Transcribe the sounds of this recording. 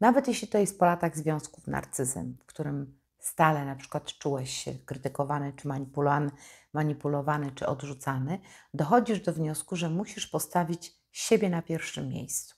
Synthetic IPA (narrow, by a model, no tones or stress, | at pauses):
navɛt̪jeɕlʲit̪ɔjɛst̪̚pɔlat̪aɣzvʲjɔ̃w̃skufna̰ɾt̪sɘzɛ̰mfkt̪uɾɘm | st̪alɛnapʂɘ̥kwat̪t͡ʂuwɛɕɕɛ̰kɾɘt̪ɘkɔvanɘt͡ʂɘmaɲipulanmaɲipulɔvanɘt͡ʂɘ̰ɔd̪ʐut̪sanɘd̪ɔxɔd͡ʑiʐd̪ɔvɲɔskuʐɛmuɕiʂpɔst̪avʲit͡ɕ | ɕebʲjɛnapʲjɛɾfʂɘmʲːjḛjst̪su̥